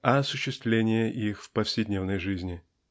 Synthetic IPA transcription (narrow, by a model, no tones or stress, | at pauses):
ɐɐsʊɕːɪst̪vlʲenʲɪjəʔixfpəfsʲɪdʲnʲevnəjʐɨzʲnʲɪ